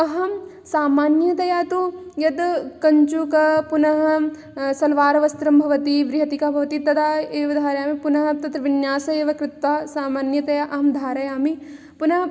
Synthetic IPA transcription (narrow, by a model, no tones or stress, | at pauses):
ɐɦɐm | saːmaːnjɐt̪ɐjaːt̪ujɐd̪kɐɲt͡ʃukɐpunɐɦɐ | sɐlʋaːɾɐʋɐst̪ɾɐmbʱɐʋɐt̪iʋɾɪɦɐt̪ikabʱɐʋɐt̪it̪ɐd̪aːeːʋɐd̪ʱaːɾɐjaːmipunɐɦɐt̪ɐt̪ɾɐʋɪnjaːsɐeːʋɐkɾɪt̪ʋaːsaːmaːnjɐt̪ɐjaʔɐɦɐmd̪ʱaːɾɐjaːmi | punɐɦɐ